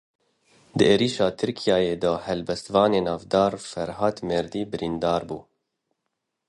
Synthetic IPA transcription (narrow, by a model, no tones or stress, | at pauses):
d̪ɨʔeːɾiːʃɑːt̪ʰɨɾkʰijɑːjeːd̪ɔːhɛlbɛst̪vɑːneːnɑːvd̪ɑːɾfɛɾɦɑːt̪meːɾd̪iːbɨɾind̪ɑːɾbuː